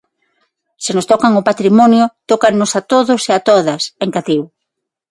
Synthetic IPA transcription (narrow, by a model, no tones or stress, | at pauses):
sɪnost̪ɔkaŋʊpat̪ɾimɔnjʊt̪okanosat̪oðʊseat̪oðɐseŋkat̪iw